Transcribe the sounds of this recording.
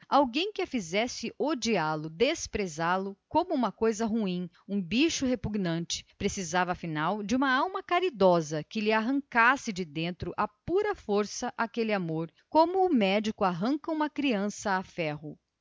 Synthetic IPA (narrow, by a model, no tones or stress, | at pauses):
awɡẽj̃kɪɐfizɛsɪʔod͡ʒialʊd̪espɾezalʊkõmʊũmɐkojzɐɦuĩ | ũbiʃʊɦepuɡnɐ̃t͡ʃɪ̥pɾesizavɐːfinawd͡ʒɪũmɐawmɐkaɾid̪ɔzɐkɪlɪaɦɐ̃ŋkasɪd͡ʒɪd̪ẽnt̪ɾʊʔapuɾɐfoɾsɐʔakelɪamoɾ | kõmʊːmɛd͡ʒikʊaɦɐ̃ŋkɐũmɐkɾiɐ̃sɐːfɛɦʊ